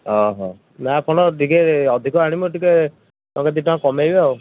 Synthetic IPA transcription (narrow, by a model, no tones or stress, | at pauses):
ɦɔɦɔ̃ | mapʰɔɽ̃ɔʈikeɔd̪ʱikɔaɽ̃imuʈike | t̪ãket̪iʈɔ̃ãkɔmejbeaw